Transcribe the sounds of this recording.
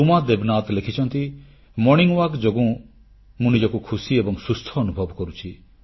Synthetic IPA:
umad̪ebnat̪lekʰit͡ʃʰɔnt̪i | mɔniŋwakd͡ʒoɡũ | mũnid͡ʒɔkukʰusiebɔŋsust̪ʰɔːnubʱɔbkɔɾut͡ʃʰi

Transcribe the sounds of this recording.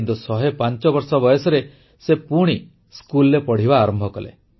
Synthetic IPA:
nt̪usɔɦepant͡ʃɔbɔɾsɔbɔjɔsɔɾe | sepuɽ̃i | skulɾepɔɽ̤ibaːɾɔmbʱɔkɔlḛ

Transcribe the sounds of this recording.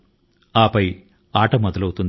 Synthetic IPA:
aːpɐj | aːʈɐmɔd̪ɐlɐwt̪und̪

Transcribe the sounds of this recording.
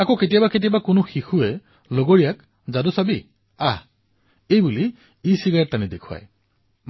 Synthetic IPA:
akoketijabaketijabakʊnʊxixuɛ | loɡoɹijak | zadʊsabi | a | ejbuli | isiɡatanidekʰʊa̰j

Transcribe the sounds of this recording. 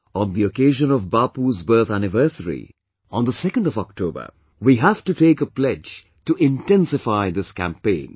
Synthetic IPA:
ɔ̃nd̪iokeɪʒə̃nɔvbaːpuzbɜːt̪ʰænɪvɜ˞səɾḭ | ɔ̃nd̪əsɛkə̃ndɔvɔk̚ʈʰoːbə̰˞ | wiɦæfʈuteːkəplɛd͡ʒ | tuʔɪ̃ntɛ̃nsɪfaɪd̪ɪskæ̰̃mpẽɪ̃n

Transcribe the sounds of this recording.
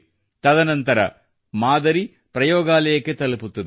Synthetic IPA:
t̪ɐd̪ɐnɐnt̪ɐɾɐ̰ | maːd̪ɐɾi | pɾɐjɔːɡaːlɐjɐkːet̪ɐluput̪ːɐd̪

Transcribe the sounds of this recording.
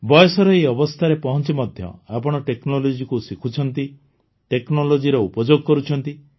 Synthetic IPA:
bɔjɔsɔɾɔeɔbɔst̪ʰaɾepɔɦɔnt͡ʃimɔd̪ʱjɔ̰apɔɽ̃ɔʈeknɔlod͡ʒikusikʰut͡ʃʰɔnt̪i | ʈeknɔlod͡ʒiɾɔupɔd͡ʒoɡɔkɔɾut͡ʃʰɔnt̪i

